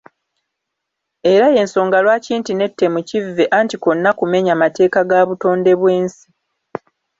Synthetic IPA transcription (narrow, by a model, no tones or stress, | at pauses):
e̞ɾaje̞ːnso̞ːŋɡalwaːciːntine̞tːemucivːe̞ʔaːntiko̞nːakume̞ɲamate̞ːkaɡaːβuto̞ːnde̞βwe̞ːnsi̥